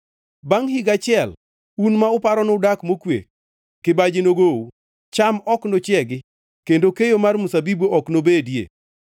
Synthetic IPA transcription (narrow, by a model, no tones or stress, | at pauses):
baŋhɪɡat͡ʃɪɛl | unmaʊpaɾɔnɔdakmokwḛk̚ː | ɪbad͡ʒɪnoɡou | t͡ʃamɔknot͡ʃɪɛɡɪ | kendokejomarmusabiboʔɔknobedjḛ